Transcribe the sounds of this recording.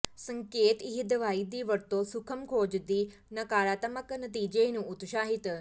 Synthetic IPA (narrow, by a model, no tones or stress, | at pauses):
sɐ̃ŋkeːt̪iɦid̪ɐʋaːid̪iːʋɐɾt̪osʊkʰəmkʰoːd͡ʒd̪iː | nɐkaːɾaːt̪əməknɐt̪̬iːd͡ʒenũʊt̪ʃaːɦit̪